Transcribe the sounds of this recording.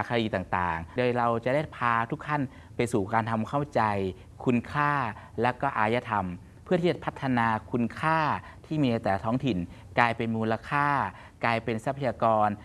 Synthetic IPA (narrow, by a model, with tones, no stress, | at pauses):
a˨˩kʰa˧diː˧t̪aː˨˩ŋt̪a̰ː˨˩ŋdɤː˧jɾa˧wt͡ɕa˨˩da˥˩jpʰaː˧t̪ʰu˦˥k̚t̪ʰa˥˩n | pa˧jsuː˨˩kaː˧nt̪ʰa˧mkʰa˥˩wt͡ɕa˧j | kʰu˧nkʰaː˥˩ | lɛ˦˥wkɔː˥˩ʔaː˧ja˦˧˥t̪ʰa˧m | pʰɯ˥˩t̪ʰiː˥˩t͡ɕa˨˩pʰa˦˥t̪ʰːa˧naː˧kʰu˧nkʰaː˥˩ | t̪ʰiː˥˩miː˧na˧jt̪ɛː˨˩la˦t̪ʰːŋt̪ʰi˨˩nklaː˧jpe˧nmuː˧la˧kʰaː˥˩ | kaː˧jpe˧nsa˦˥pʰa˧jaː˧kɔː˧n